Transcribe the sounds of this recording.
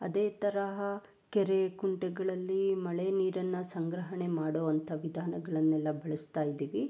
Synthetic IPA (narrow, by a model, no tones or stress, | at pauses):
ɐd̪eːt̪ɐɾɐɦɐ | kɛɾekuɳʈɛɡɐɭɐlːimɐɭeniːɾɐnːɐsɐŋɡɾɐɦɐɳemaːɽoːʋɐnt̪ʰɐʋid̪ʱaːnɐɡɐɭɐnːɛlːɐbɐɭɐst̪aːjid̪iːʋi